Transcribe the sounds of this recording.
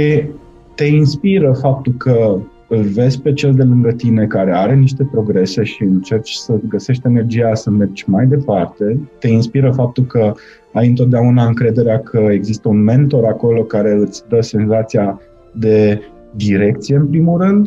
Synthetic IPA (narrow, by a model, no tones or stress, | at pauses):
i | t̪e̞inspiɾəfap̚t̪ulkʰə | ɨlve̞zʲpe̞t͡ʃe̞ld̪e̞lɨŋɡət̪ine̞kaɾe̞aɾe̞niʃt̪e̞pɾo̞ɡɾe̞se̞ʃiɨnt͡ʃe̞rt͡ʃʲsəɡəse̞ʃt̪ʲe̞ne̞rd͡ʒijasəme̞rd͡ʒʲmajd̪e̞part̪e̞t̪e̞inspiɾəfap̚t̪ulkə | ajɨnt̪̬od̪eaunaɨŋkɾe̞d̪e̞ɾeakʰəe̞ɡzist̪əunme̞nt̪o̞ɾako̞lo̞kaɾe̞ɨt̪sʲd̪əse̞nzat̪sija | d̪e̞ | d̪iɾe̞kt̪sije̞ɨnpɾimulrɨnd̪